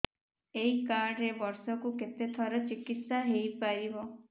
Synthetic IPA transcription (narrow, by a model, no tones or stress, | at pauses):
eikaɾɖɾebɔɾsɔkuket̪et̪ʰɔɾɔt͡ʃikit̪saɦejpaɾibɔ